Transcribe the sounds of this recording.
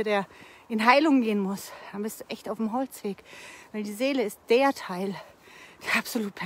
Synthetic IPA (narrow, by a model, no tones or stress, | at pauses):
ədeːɐʔɪnɦaɪlʊŋɡeːənmʊsd̥anbɪstuʔɛçtaʊfmɦɔlt͡sv̥eːkvaɪldiːzeːləɪst̚d̥eːɐtʰaɪld̥eɐʔapz̥oluːt̚pʰɛ